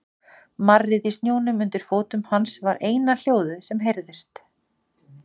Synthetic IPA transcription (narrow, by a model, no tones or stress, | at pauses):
marːɪðist̪njoːwnʏmʏnt̪ɪɾ̥foːt̪ʏmhansvaɾʔeːjnal̥joːwðʏsɛmɦejɾðɪst̪